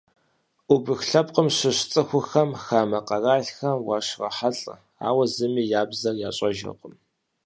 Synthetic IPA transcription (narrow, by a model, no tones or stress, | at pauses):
ʔubɨxɬɐp̚ʼqəmɕɪɕt͡sʼɨxʷʊxɐmxaːmɐqɐraːɬxɐmwɑ̰ɕrɐ̰ħaɬʼɐ̰ | a̰ːwɐzɨmiːjaːbzɐrjaːɕʼɐʒɐ̰qʷʼəm